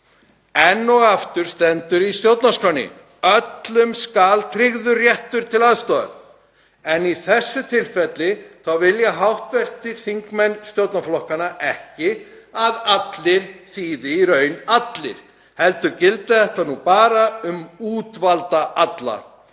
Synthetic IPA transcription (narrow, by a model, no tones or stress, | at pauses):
ɛnːɔɣaft̪ʏɾ̥st̪ɛnt̪ʏɾist̪jowt̪naskɾawnɪ̰ | œt̪lʏmskaːlt̪ʰɾɪɣðʏrjɛht̪ʏɾ̥t̪ʰɪlaðst̪ɔːa̰ɾ | ɛniθɛsːʏt̪ʰɪlfɛt̪lɪθawvɪljaɦawht̪vɛr̥t̪ʰːɪɾ̥θiŋkmɛnːst̪jowt̪naflɔhkanaʔɛhcɪ | aðat̪lɪɾ̥θiːðɪiɾœːɥnat̪lɪ̰ɾ̥ | hɛlt̪ʏɾcɪlt̪ɪðɛht̪anupaːɾaʏmuːt̪valt̪aʔat̪la̰